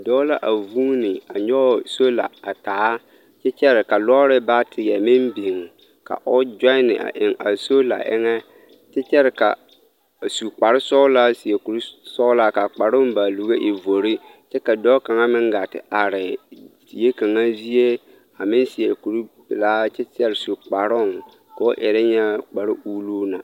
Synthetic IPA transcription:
dɔ˦la˦ʔa˨vuː˦nɪ˨a˨ɲɔ˦˨so˦la̰˨a˨taː˨˦ | t͡ʃɛ˦t͡ʃɛ˦ɾɪ˨ka˨lɔ˦ɾɪ˦ba˦tʰɪ˨jɛ˨mɪ˦mbi˨ŋ˨ | ka̰˨ʔʊ˦d͡ʒɔ˦ɪ˦nɪ̰˨ʔa̰˨ʔɪ˨ŋa̰˨so˦la̰˨ʔɪ̰˦ŋɛ˦ | t͡ʃɛ˦t͡ʃɛ˦ɾɪ˨ka̰˨ | su˨k͡pa˨ɾɪ˦sɔ˦ʊ˦la˦si˨e˨ku˨ɾu˦sɔ˦la˦ka˨k͡pa˨ɾʊ˦mba˨lu˨ɣe˦ʔi˨vo˨ɾi˦t͡ʃɛ˦ka˨dɔ˦ka˨ŋa˦mɪ˦ŋɡa˨tɪ̰˨ʔa˨ɾɪ˨ | je˦ka˨ŋa˦zi˦je˦ | a˨mɪ˦nsi˨e˨ku˨ɾblaː˦t͡ʃɛ˦t͡ʃɛ˦ɾɪ˨su˨k͡pa˨ɾʊ˦˨ŋ | kɔ̰˦ʔɪ˨ɾɛ˦ɲɛ˦k͡pa˨ɾɪ˦ʔuː˦luː˦na˨

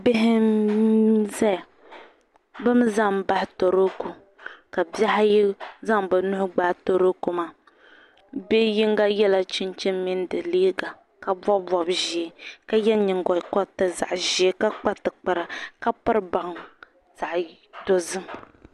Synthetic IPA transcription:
bɪ˦ɦɪ˦ | zɛ˦˨ | bɨ˦m˦za˦mba˦hɪ˦to˨ɾo˦ku˨ | ka˨bɛ˦ɦa˦ji˦za˦ŋbɨ˨nʊ˦hʊ˦ɡ͡baː˦to˨ɾo˦ku˨maː˨ | be˦ji˦ŋɡa˦jɛ˦la˦˨t͡ʃi˦nt͡ʃi˦mmi˦n˦dɨ˨liː˦ɡa˨ | ka˨bɔ˦bbɔ˨bʒi˨e˨ka˦jɛ˦ɲi˨ŋɡɔ˨kɔ˦tɨ˨za̰˨ʔʒi˨e˦ka˦k͡pa˦tːɨ˨k͡pa˨ɾa˨ka˦pɨ˦ɾba˨ŋ | z̥a˨ʔ | to˨zɨ˦

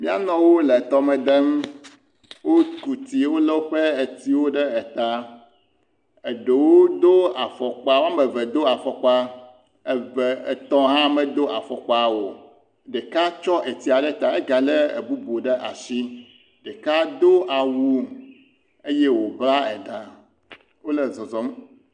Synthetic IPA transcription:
mĩ˦a˦nɔ̃˦wo˦le˨t̪ɔ˦mɛ̃˨d̪ɛ˦m | wo˦t̪u˨t̪i˨wo˦lɛ˦wo˦ɸe˦e˨t̪i˦wo˦ɖe˦ɛ˨t̪a˦ | e˨ɖe˨wo˦d̪o˦a˨fɔ˨k͡pa˦wo˦a˦mɛ˨vɛ˨d̪o˦a˨fɔ˨k͡pa˦ | ɛ˨ve˨t̪ɔ̃˦ɦã˦mɛ˨d̪o˦ʔa˨fɔ˨k͡pa˨wo˨ | ɖe˨ka˦t͡ʃɔ˦ʔe˨t̪i˨˦a˨ɖɛ˦t̪a˨e˦ɡa˨le˦ḛ˨bu˦bu˨ɖe˦ʔa̰˨si˦ | ɖe˨ka˦d̪o˦ʔa˨wu˦ | e˦je˦wo˨bla˦ɛ˨d̪a˨ | wo˦le˨zɔ˨zɔ˨˦m

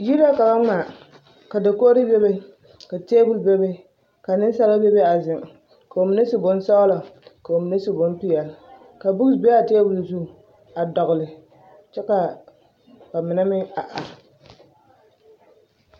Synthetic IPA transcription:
ji˦la˦ka˨ba˦ŋ͡ma˨ | ka˨da˨koː˦ɾi˦be˦be˦ | ka˨teː˦bu˨lbɛ˦be˦ | ka˨nɪ˦n˦sa˦la˦be˦be˦a˨zɪ˨ŋ˨ | ka˨o˨mɪ˨ne˦su˨bʊ˦n˦sa˦la˨ka˨o˨mɪ˨ne˦su˨bʊ˦npi˦jɛ˨l | ka˨bu˦˨be˦a˨teː˦bu˨lzu˦˨ | a˨dɔ˨ɣʊ˨lɪ˨ | t͡ʃɛ˦ka˨ | ba˨mɪ˨na˦mɪ˦a˨ʔa˨

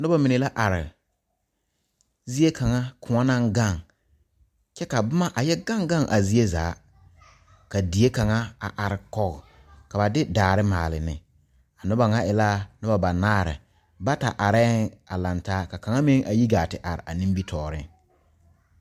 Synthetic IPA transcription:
nʊ˦ba˦mi˨ne˨la˦ʔa˨ɾɪ̰˨ | zi˦e˦ka˨ŋa˦kʰʊ˨ŋa˦na˦ŋɡa˦˨ŋ | t͡ʃɛ˦ka˨bʊ˦ma˦ʔa˨jɛ˦ɡa˦ŋɡa˦˨ŋʔa˨zi˦e˦zaː˨˦ | ka˨di˨e˦ka˨ŋa˦a̰˨ʔa˨ɾɪ˨kɔ˦ɣ | ka˨ba˨dɪ˦daː˨ɾɪ˦ma̰ː˨lɪ̰˨nɪ̰˨ | a˨nʊ˦ba˨ŋa˦ʔɪ˨la˦nʊ˦ba˨ba˨naː˦ɾɪ̰˨ | ba˦ta̰˨ʔa˨ɾɛː˦ŋa˨la˨ntaː˦ka˨ka˨ŋa˦mɪ˦ŋʔa˨ji˦ɡaː˨tɪ˨ʔa˨ɾɪ̰˨ʔa˨nĩ˦mbi˦tʰɔː˨ɾɪ̰˦ŋ

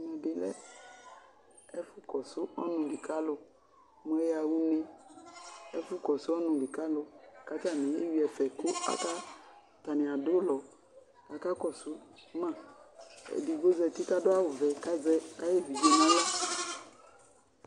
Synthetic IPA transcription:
mɛ˨dɪ˨lɛ̰˦ | ɛ˦fʊ˦kɔ˨sʊ˦ɔ˦nʊ̃˧lɪ˨ka˦lʊ˧ | mu˨˦ɛ˦ja˧wu˦ne˧ | ɛ˦fʊ˦kɔ˨sʊ˦ɔ˦nʊ̃˨lɪ˨ka˦lʊ˧˨ka˨˦ta˦˨nɪ̃˨e˦wi˨˦ɛ˨fɛ˨kʊ˦a̰˦ka˦ | ta˨nɪ̃˨a˨dʊ˦lɔ˨ | ka˨ka˦kɔ˨sʊ˦mã˦˨ | ɛ̰˨di˨ɡo˦zɛ˧ti˦ka˦dʊ˦a˦wʊ˨vɛ˨ka˦zɛ˦ka˦je˦˨vi˨ve˨nɔ̃˦lɔ˦

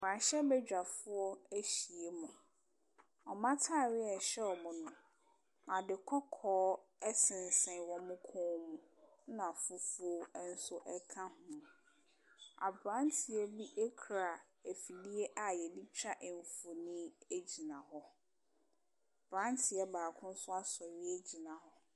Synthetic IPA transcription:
m˨ã˨ɕɛ˦bɛ˦d͡ʑᶣa˨fʊ˦ɔ˦e˦ɕi˨e˨mʊ̃˨ | ɔ˨mã˦tʰaː˦˨ɾɪ˦ɛ˨ɕɛ˦ɔ˨mʊ̃˨nʊ̃˨ | a˨dɪ˨kʰɔ˦kʰɔː˦ɛ˦sɪ̃˨n˨sɛ̃˨˦wɔ̃˦mʊ̃˦kʰɔ̃˦mũʊ̃˦nã˨fu˨fʊ˦o˦n̩˦sʊ˦ʔɛ˦kʰã˦hʊ̃˨ | a̰˨bɾã˦n˦tʰi˨ɛ˦bi˦ʔe˦kʰɾa˨ | e˨fi˨di˦e˦ʔa˨jɛ˨di˦t͡ɕʰᶣa˦ʔɪ˨ɱ˨fo˨nĩ˦e˦d͡ʑi˨nã˨ɦɔ˦ | b̥ɾã˦ntʰɪ˨ɛ˦baː˨kʰʊ̃˦n̩˦sʊ˦a˦sɔ˨ɥɪ˦e˦d͡ʑi˨nã˨hɔ˦

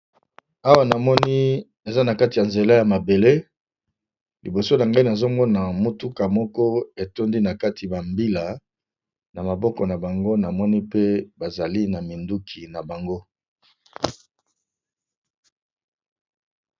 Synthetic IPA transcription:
a˦wa˦˨na˨mɔ˦ni˦ | e˨za˦na˨ka˦ti˨ja˨nze˨la˦ja˨ma˨be˨le˦ | li˨bo˨so˦na˨ŋɡa˦i˨na˨zo˦ŋɡɔ˦na˨mo˦tu˦ka˨mɔ˦kɔ˦e˨to˦ndi˦na˨ka˦tʰi˨ba˨mbi˦la˨ | na˨ma˨bɔ˦kɔ˨na˨ba˨ŋɡo˦na˨mɔ˦ni˦pe˦ba˨za˨li˦na˨mi˨ndu˦kʰi˨na˨ba˨ŋɡo˦

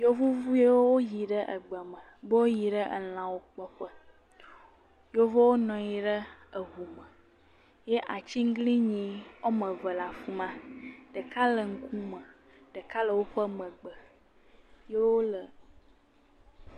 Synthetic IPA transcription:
jo˦vu˦vu˦je˦wo˦wo˦ji˨ɖə˦ʔə̰˨ɡ͡bə˨mə̃˨bə˦wo˦ji˨ɖə˦ʔə̰˨l̃ã˨wo˦k͡pɔ˦ɸə˦ | jo˦vo˦wo˦nɔ̃˨ji˨ɖə˦ə˨ɦu˨mə˨ | je˦ʔa˨t͡ɕi˦ŋ̩˦ɡli˦ɲĩ˨o˦mə̃˨və˨la˨fu˦mã˦ɖə˨ka˦lə˨ŋ̩˦ku˦mə˨ | ɖə˨ka˦lə˨wo˦ɸə˦mə̃˨ɡ͡bə˨ | je˦wo˦lə˨

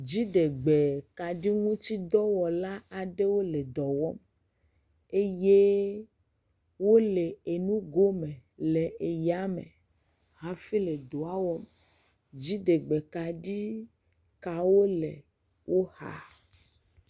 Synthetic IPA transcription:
d͡ʒi˦ɖe˨ɡ͡be˨ka˨ɖi˦ŋũ˦t̪i˦d̪ɔ˦wɔ˨la˦a˨ɖe˦wo˦le˨d̪ɔ˨wɔ˦m | e˦je˦ | wo˦le˨e˨nũ˦ɡo˦mẽ˨le˨ʔe˨ja˦mḛ̃˨ | ɦã˨fi˦le˨d̪o˨a˦wɔ˦m | d͡ʑi˦ɖe˨ɡ͡be˨ka˨ɖi˦ | ka˨wo˦le˨ | wo˦ha̰˨

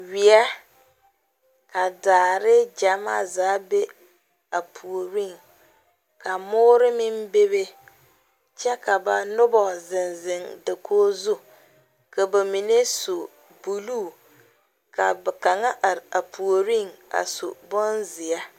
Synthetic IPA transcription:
wi˨a˦ | ka˨daː˨ɾɪ˦d͡ʒa˨ma̰˦zaː˨˦be˦ | a˨pʰu˨o˨ɾi˦˨ŋ | ka˨mʊː˦ɾɪ˦mɪ˦mbe˦βe˦ | t͡ʃɛ˦ka˨ba˨nʊ˦bɔ˨zɪ˨nzɪ˨ŋda˨kʰoː˦zu˦ | ka˨ba˨mi˨ne˦so˨ | bu˨luː˦˨ | ka̰˨bɛ˨ka˨ŋa˦ʔa˨pʰu˨o˨ɾi˦˨ŋa̰˨so̰˨bʊ˦nzɪ˨a˦

